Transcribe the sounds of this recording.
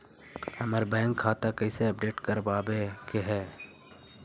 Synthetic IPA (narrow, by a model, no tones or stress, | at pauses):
hɐməɾbɛ̃ːŋkʰːaːt̪akɛːseɐp̚ɖeːʈkɐɾbaːbekeɦɛː